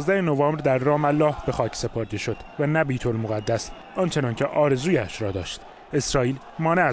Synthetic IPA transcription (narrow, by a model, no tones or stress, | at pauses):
zd̪æhenovɒːmbɾd̪æɾːɒːmælːɒːhb̥e̞xɒːcʰse̞pʰoɾd̪eʃo̞d̪̥vænæbiːt̪ʰo̞lmoɣæd̪ːæs | ʔɒːnt͡ʃʰe̞nɒːncʲʰeʔɒːɾe̞zuːjæʃɾɒːd̪ɒːʃt̪ | e̞sɾɒːiːl | mɒːneæ